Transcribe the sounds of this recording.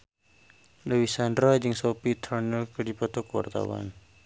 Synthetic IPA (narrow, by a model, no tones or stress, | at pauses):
ləwisandɾɔjd͡ʒɨŋsopit̪ʰɔrnəkədipɔt̪ɔkwa̰rt̪a̰wa̰n